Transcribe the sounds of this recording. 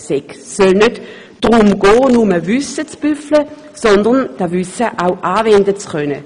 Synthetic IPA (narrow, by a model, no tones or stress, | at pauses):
sɛksœlnød | d̥ʁʊmɡ̥ɔːnʊməvysət͡sb̥yflə | sɔndəʁnd̥avysəʔawʔaːvɛndət͡skœnə̰